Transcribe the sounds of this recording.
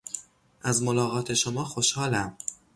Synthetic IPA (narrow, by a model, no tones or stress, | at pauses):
ʔæzmo̞lɒːɣɒːt̪ʰe̞ʃomɒːxo̞ʃhɒːlæm